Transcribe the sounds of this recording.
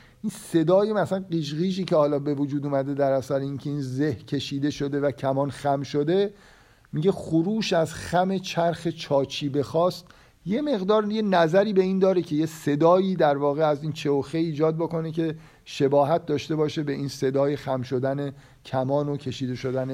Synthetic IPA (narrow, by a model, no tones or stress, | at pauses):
ʔinse̞d̪ɒːjemæsænɢiːʃ̬ɣiːʒiːcʰehɒːlɒːbe̞vod͡ʒuːd̪uːmæd̪e̞d̪æɾæsæɾeincʰe̞iːnzehcʲʰe̞ʃiːd̪e̞ʃo̞d̪e̞væcʰæmɒːnxæmʃod̪e̞ | miɟe̞xoɾuːʃæzxæme̞t͡ʃʰæɾxet͡ʃʰɒːt͡ʃʰiːbe̞xɒːst̪ | je̞me̞ɣd̪ɒːɾje̞næzæɾiːbe̞iːnd̪ɒːɾecʰe̞jese̞d̪ɒːjiːd̪æɾvɒːɣeæziːnt͡ʃʰeoxeiːd͡ʒɒːd̪̚bo̞ko̞necʰe̞ | ʃe̞bɒːɦæt̪̚d̪ɒːʃt̪e̞bɒːʃe̞be̞ʔiːnse̞d̪ɒːjexæmʃo̞d̪æne | cʰæmɒːnocʰe̞ʃiːd̪e̞ʃo̞d̪æne